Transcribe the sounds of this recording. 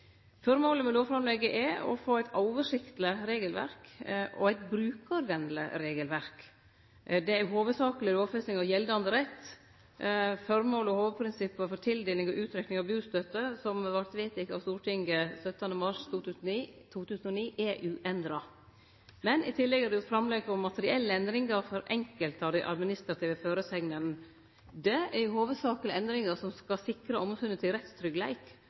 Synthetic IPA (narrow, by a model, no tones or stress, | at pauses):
fɔɾmoːləmɛloːʋfɾɑmlɛɡəʔɛɔ̰foːæɪt̪ɑːʊʋəʂɪkt̪ləɾeːɡəlʋæ̰ɾkʔɔ̰æɪt̪bɾʉːkɑɾʋɛnlə̰ɾeːɡəlʋæɾk | d̪ɛæjʊɦoːʋəsɑːkəlɪɾoːʋfɛsɪŋɑʋjɛld̪əɑnd̪əɾɛt̪ː | fɔɾmoːləɔhoːʋpʰɾɪnsɪpːəfɔɾt̪ʰɪld̪eːlɪŋɔʔʉːt̪ʰɾɛknɪŋɑʋbʉːst̪øt̪ːəsɔmɑʋɑɾt̪ʋeːt̪ɪkɑ̰ʋst̪uːʈʰɪŋɡəsœt̪ːənəmɑʂt̪ʰuːt̪ʰʉːsnnit̪ʰuːt̪ʰʉːsən̩ɔniːʔɛʔʉːʔɛnd̪ɾɑ | mɛnɪt̪ʰɪlːɛɡhɑɾd̪ɛʊt̪fɾɑmlɛɡɔmmːɑt̪əɾɪɛlːəɛnd̪ɾɪŋəɾfɔɾʔɛŋkəlt̪ɑʋd̪æɪʔɑ̰d̪mɪnɪst̪ɾɑt̪ʰiːʋəføːɾəsɛŋnən | d̪ɛɛɾjʊhoːʋəd̪sɑːklɪɛnd̪ɾɪŋəɾsɔmskɑsɪkɾəʔɔmsʉnət̪ʰɪlɾɛt̪st̪ʰɾʏɡlæɪk